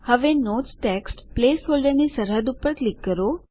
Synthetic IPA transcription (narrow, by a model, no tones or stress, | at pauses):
həʋenotsʈeksʈpleːsɦolɖəɾnisəɾɦəd̪upːəɾklikːəɾo